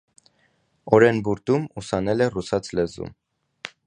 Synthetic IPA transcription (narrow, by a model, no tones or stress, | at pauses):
ɔɾɛnbuɾt̪umusɑnɛlɛrusɑt͡sʰlɛzṵm